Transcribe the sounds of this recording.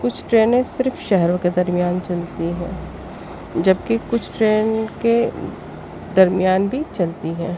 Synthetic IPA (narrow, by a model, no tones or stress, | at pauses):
kʊt͡ʃʰʈɾeːnẽsɪɾfʃɛɦɛɾõked̪ɐɾmijaːnt͡ʃɐlt̪iɦɛ̰̃ː | d͡ʒɐb̚kikʊt͡ʃʰʈɾeːnke | d̪ɐɾmijaːnbʱit͡ʃɐlt̪iɦɛ̃ː